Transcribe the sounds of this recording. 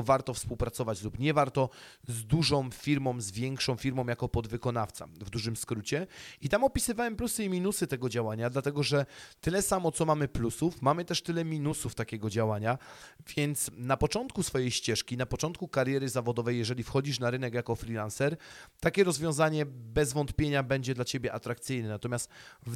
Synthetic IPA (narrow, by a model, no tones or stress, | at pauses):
vaɾt̪ɔfspuwpɾat̪sɔvat͡ɕlupɲɛvaɾt̪ɔzd̪uʐɔ̃w̃fʲiɾmɔ̃w̃zvʲjɛŋkʂɔ̃w̃fʲiɾmɔ̃w̃jakɔpɔd̪vɘkɔn̪aft̪sa̰vd̪uʐɘmskɾut͡ɕɛit̪amɔpʲisɘvawɛmplusɘimʲinusɘt̪ɛɡɔd͡ʑawaɲad̪lat̪ɛɡɔʐɛt̪ɘlɛsamɔt̪sɔmamɘplusufmamɘt̪ɛʂt̪ɘlɛmʲinusuft̪akʲɛɡɔd͡ʑawaɲavʲjɛnt̪snapɔt͡ʂɔnt̪̚kusfɔjejɕt͡ɕɛʂkʲinapɔt͡ʂɔnt̪kukaɾjɛɾɘzavɔd̪ɔvɛjːɛʐɛlʲifxɔd͡ʑiʂnaɾɘnɛkjakɔfɾʲilansɛɾt̪akʲɛɾɔzvʲjɔ̃w̃zaɲɛbɛzvɔnt̪pʲjeɲabɛɲd͡ʑɛd̪lat͡ɕebʲjɛʔat̪ɾak̚t̪sɘjnɛnat̪ɔmʲast̪v